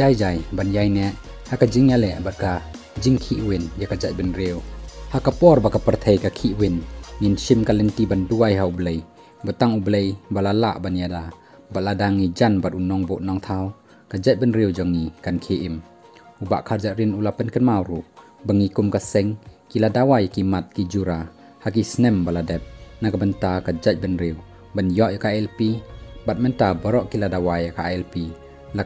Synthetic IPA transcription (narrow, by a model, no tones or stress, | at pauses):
zajd͡ʒajbanjajnɛʔ | hakad͡ʒiŋjalɛʔbat̚ka | d͡ʒiŋkʰiʔwinjakad͡ʒat̪̚binɾewhakapɔɾbakapəɾt̪ʰejkakʰiʔwinŋinsimkalɛnt̪ibanduajɦaublej | bat̪aŋublejbalala̰ʔbanjada | bat̚ladaŋid͡ʒanbat̪̚ʔunɔŋbɔʔnɔŋt̪ʰaw | kad͡ʒac̚bənɾiwd͡ʒɔŋikankʰeʔim | uba̰ʔkʰaɾd͡ʒaʔɾinulapənkənmawɾuʔ | bəŋikumkasɛŋkiladawajakimat̪̚kid͡ʒuɾa | hak̬isnɛmbaladɛp̚nakabəntakad͡ʒac̚bənɾiw | banjɔʔjakaɛlpibat̚mɛntabɔɾɔʔkiladawajakaɛlpi | la